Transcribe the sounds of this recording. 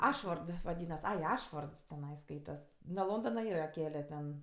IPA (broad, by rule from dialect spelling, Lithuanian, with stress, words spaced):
ˈɑːʃfoːrt ʋɐˈdʲiːnɐs ˈɐɪ ˈɑːʃfoːrts tʲɛˈnɐɪ ˈskɐɪtɐs nuɔ ˈlˠoːndoːnɐ ˈiːrɐ ˈkʲæːlʲɛ tʲɛn